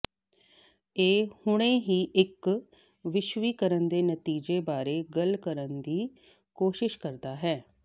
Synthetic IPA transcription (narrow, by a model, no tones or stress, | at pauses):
eːhʊɽ̃ẽːɦiːʔɪk | ʋɪʃʋiːkəɾənd̪eːnət̪iːd͡ʒeːbaːɾeːɡəlkəɾənd̪iː | koːʃɪʃkəɾd̪aːɦɛː